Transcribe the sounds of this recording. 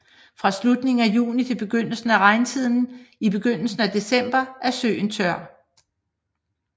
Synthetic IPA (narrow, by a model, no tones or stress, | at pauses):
fʁɑ̈slud̥ne̝ŋŋ̩æjṵːnit͡sʰe̝b̥e̝ɡ̥øn̰l̩sn̩æʁɑ̈ɪnt͡sʰið̰ˠn̩ib̥e̝ɡ̥øn̰l̩sn̩æd̥e̝sem̰b̥ɐʔæɐsø̰ːn̩t͡sʰɶɐ̰